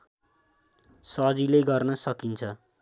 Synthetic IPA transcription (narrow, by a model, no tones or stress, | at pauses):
sʌd͡zilejɡʌrnʌsʌkint͡sʰʌ